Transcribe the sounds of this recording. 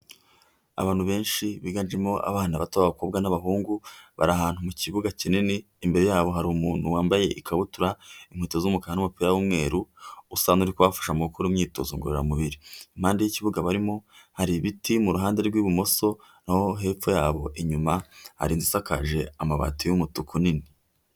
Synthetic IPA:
a̰βaːnhuβe̞ːnʃiβiɡand͡ʒemo̞ʔa̰βaːnaβatoβaβakobɡanaβaɦuːŋɡuβa̰ɾaɦaːnhumuciβuɡacinineːmbe̞ɾe̞jaːβo̞ɦaɾuumuːn̥huwaːmbaje̞ʔikaβutuɾaiŋ̥hwiːtozumukahanumupiːɾawumŋe̞ːɾuusaːnuɾikuβwafḁʃamuukuɾumɲiːto̰zṵŋɡuɾeɾa̰muβiɾiim̥haːndejiciβuɡaβaɾimo̞haɾiβitimuɾuɦaːnde̞ɾɡwiβumo̞so | naho̞ɦe̞ːp͡ffojaːβo̞ʔeɲumaha̰ɾinzisakaʒe̞amaβa̰tijumutukunini

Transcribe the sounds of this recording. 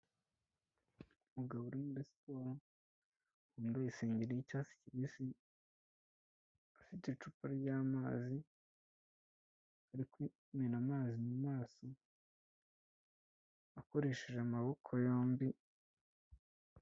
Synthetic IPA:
umuɡaβuɾimuɾispoːɾo | huːndojiseːɲɟeɾejicaːsi̥ciβisi | afitet͡ʃupaɾɟaːmaːzi | aɾikwi | menamaːzimumaːso | ako̞ɾe̞ːʃeʒeamaβo̞kʰojoːmbi

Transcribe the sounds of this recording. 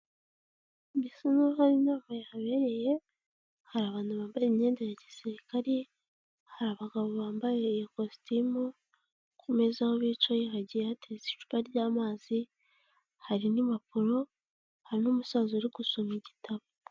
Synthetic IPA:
bisinohaɾinaːmajehaβe̞ɾe̞je̞ | haɾaːβaːnuβaːmbajemɲe̞ːndejaɟasiɾikaɾi | haɾaβaɡaβo̞βaːmbajejkostimu | kʰumezahoβiːt͡ʃojiɦaɟijeatezi̥ʃu̥paɾɟaːmaːzi | haɾinimapuɾo̞ | haɾinoːmusaːzuɾiɡusomiɟitʰaβo

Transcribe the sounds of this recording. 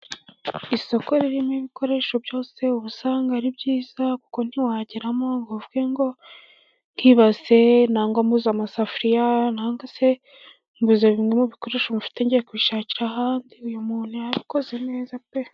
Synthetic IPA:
iso̞ko̞ɾiɾimŋiβiko̞ɾe̞ʃo̞bjo̞ːse̞uβusaːŋɡaɾibɟiːz̥aku̥ko̞n̥iwaːɟiɾamo̞ŋɡovuɡe̞ŋɡo̞ | ŋkiβaze̞naːŋɡombuzamasafɾijanaːŋɡase̞ | mbuzeβimŋemuβiko̞ɾe̞ʃo̞mufi̥te̞ɲɟejekuiʃaːciɾaɦaːndiujumuːn̥hujaβiko̞ze̞ne̞ːzape

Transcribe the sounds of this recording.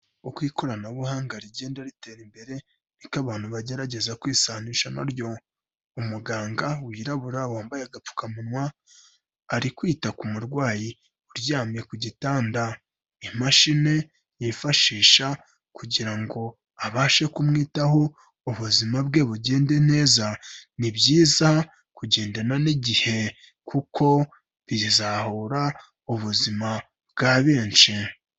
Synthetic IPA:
okwiːko̞ɾanaβuhaːŋɡaɾiɟe̞ːndaɾite̞ɾimbe̞ɾe̞ | nikaβaːn̥huβaɟe̞ɾaɟe̞zakwiːsaːniʃana̰ɾjo̞ | umuɡaːŋɡawiːɾaβuɾawaːmbajaɡap͡fu̥kamunwaː | ɾikwiːtakumuɾɡwaːji | uɾjaːmje̞kuɟitaːnda | imaʃine̞ | jifaʃiːʃa | kuɟiɾaŋɡo̞ | aβaːʃe̞kumŋiːtaɦo̞ | uβuzimabɡe̞ːβuɟe̞ːnde̞ne̞ːzanibɟiːza | kuɟe̞ːndananiɟihe̞ | kʰukʰo̞ | βizahoɾa | uβuzima | bɡaβeːnt͡ʃi

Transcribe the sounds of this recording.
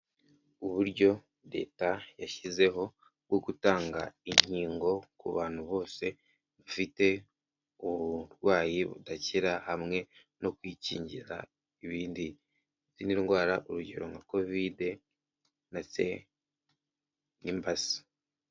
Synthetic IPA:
uβuɾɟo̞ | de̞̰ːtajaʃize̞ɦo̞ | βɡoɡutaːŋɡa̰iɲiːŋɡo̞kṵβaːn̥huβo̞ːse̞ | βufite̞ | uβuɾɡwaːjiβṵdaciɾahamŋe̞ | no̞kwiːcḭːɲɟiɾa̰ | iβiːndi | ziniɾiŋɡwaːɾaʔuɾuɟe̞̰ɾo̞ŋako̞vide̞ | nase̞̰ | nimbasi̥

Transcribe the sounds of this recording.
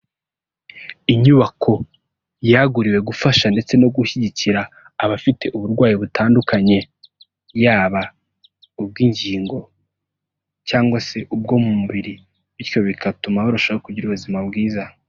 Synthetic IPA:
iɲuβakʰo̞ | jaɡuɾiwe̞ɡufaʃande̞t͡se̞no̞ɡuçiɟiciɾaː | βafite̞ʔuβuɾɡwaːjiβutaːndukaɲe̞ | jaːβa | ub̚ɡiɲɟiːŋɡo̞ | caːŋɡwase̞ʔub̚ɡo̞mumuβiɾi | βiɾcjo̞βikʰatumahoɾuʃoaakuɟiɾuβuzimabɡiːza

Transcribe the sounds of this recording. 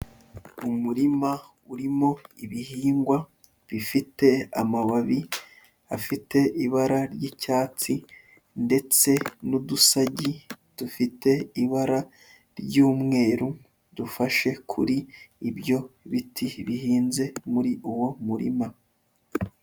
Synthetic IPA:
umuɾima | uɾimo̞iβihiːŋɡwa | βifite̞amaβaβi | afite̞iβaɾaɾjicaːt͡si | nde̞t͡se̞nudusaɟi | d̥ufite̞iβaɾa | ɾɟuːmŋe̞ːɾu | dufaʃe̞kʰṵɾiːbjo̞βitʰiβihiːnze̞muɾiʔuwo̞muɾḭma

